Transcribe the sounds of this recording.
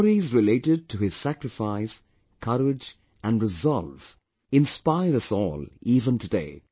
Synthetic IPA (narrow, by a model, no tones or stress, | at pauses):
ɾizɹɪleɪʈɪd̚tʰɨɪz̥sækɾɨfaɪs | kʰʌɾɪd͡ʒ | æ̃nɹɪzɑlˠvz̥ | ɪ̃nspaɪɾʌsɔ̰ːliːvə̃ntɨdḛɪ